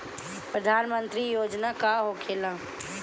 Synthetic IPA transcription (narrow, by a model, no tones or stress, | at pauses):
pɾəd̪ʱaːnmə̃nt̪ɾijoːd͡ʒnakaɦokʰeːlãː